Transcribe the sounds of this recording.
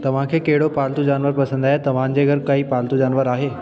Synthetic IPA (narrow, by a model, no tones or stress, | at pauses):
t̪ɐʋ̤ãkʰeːkɐɦɪɽopaːlt̪ud͡ʑaːnʋəɾpɐsə̃nd̪aːɦet̪ɐʋ̤ãn̆d͡ʑeːɡɐɾkɐiːpaːlt̪ud͡ʑaːnʋəɾaːɦeː